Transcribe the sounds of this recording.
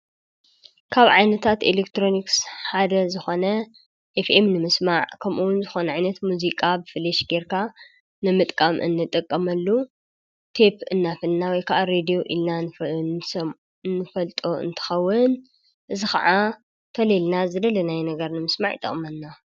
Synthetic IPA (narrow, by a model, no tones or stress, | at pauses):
kʰaβʕajnɐt̪ʰat̪elekt̪ʰɾoniksħad̪ɐzɨxo̞nɐ | ʔefemnɨmɨsmaʕkʰɐmʔuwʊnzɨxo̞nɐʕajnɐt̪muzikʼabɨfɨleʃɡeɾkʰa | nɨmɨt̪ʼkʼamʔɨ̰nːɨt̪ʼɨkʼːɐmɐlːu | t̪ʰe̞pʰɨnːafɨlnawɔjkʰaʔaɾed̪ijo̞ʔilna | nːɨfɐlt̪ʼoɨ̰nt̪ʰɐ̥xɐwːɨn | ʔɨzixa̰ʕa | t̪ʰɐlelnazɨd̪ɐlɐnajnɐɡɐɾnɨmɨsmaʕit̪ʼɨ̰χʼmɐnːa